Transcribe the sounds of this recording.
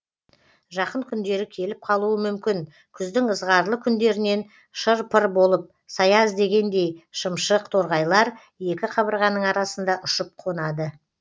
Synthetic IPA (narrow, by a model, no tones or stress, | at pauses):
ʒɑqəɴkʲʰʏnd̪e̞ɾɪkʲʰe̞lɪp̚qʰɑlˠuəmʏmkʲɪŋ | kʲʰʏzd̪ɪŋəzʁɑɾlˠəkʲʰʏnd̪e̞ɾɪne̞n | ʃəɾpʰəɾbo̞lˠəp̚ | sɑjɑzd̪e̞ɡʲe̞nd̪e̞jʃəmʃəqt̪ʰo̞ɾʁɑjlˠɑɾ | je̞kʲɪqʰɑbəɾʁɑnːəɴɑɾɑsənd̪ɑʔʊʃəp̚qʰo̞nɑd̪ə